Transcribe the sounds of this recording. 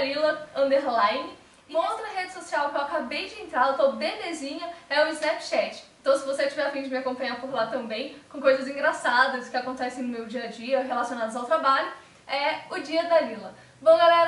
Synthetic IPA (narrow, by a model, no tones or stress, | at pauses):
lilɐɐ̃nd̪eɾlajnɪ | umɐowt̪ɾɐɦed͡ʒɪsosiawkɛwakabejd͡ʒɪẽnt̪ɾaɾt̪õbebezĩɲɐɛʊɪznɛpʃɛt͡ʃɪ̥ẽnt̪ɐ̃w̃sɪvoset͡ʃivɛɾafĩd͡ʒɪmɪakõmpɐ̃ɲaɾpoɾlat̪ɐ̃mbẽj̃kõkojzɐzĩŋɡɾasad̪ɐskɪakõnt̪ɛsẽj̃nʊmewd͡ʒiɐd͡ʒiɐɦelasiõnad̪ɐzawt̪ɾabaʎʊ | ɛʊd͡ʒiɐd̪alilɐ | võw̃ɡalɛɾ